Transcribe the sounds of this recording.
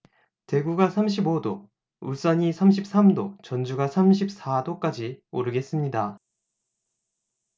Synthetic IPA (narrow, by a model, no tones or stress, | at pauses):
te̞ɡuɡasʰamɕ̬ʰibodo | uɭs͈aɲisʰamɕ̬ʰip̚s͈amdot͡ɕʌnd͡ʑuɡasʰamɕ̬ʰip̚s͈adok͈ad͡ʑioɾɯɡe̞s͈ɯmɲida